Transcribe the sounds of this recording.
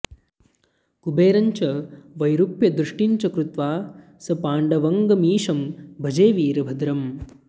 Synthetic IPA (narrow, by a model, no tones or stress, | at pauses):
kubeːɾɐɲt͡ʃɐʋɐjɾupjɐd̪ɾuʂʈiɲt͡ʃɐkɾut̪ʋaː | sɐpaːɳɖɐʋɐŋɡɐmiːʂɐmbʱɐd͡ʒeːʋiːɾɐbʱɐd̪ɾɐm